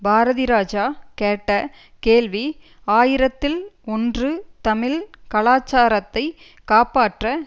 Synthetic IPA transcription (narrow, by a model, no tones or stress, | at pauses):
bʱaːɾɐðɪɾaːd͡ʒaːkeːʈːɐ | keːlʋi | aːjɪɾɐt̪ːɪlɔndrɯt̪ɐmɪlkɐɭaːt͡ʃːaːɾɐt̪ːɐɪ | kaːpaːʈrɐ